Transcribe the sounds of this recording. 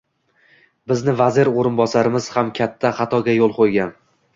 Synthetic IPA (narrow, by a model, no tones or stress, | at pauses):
bɪznɪvazɪɾoɾɪnbɒsaɾɪmɪz̥hamkʲʰat̪ʰːaχɑt̪ʰɒɡʲajolˠqʰojɡʲan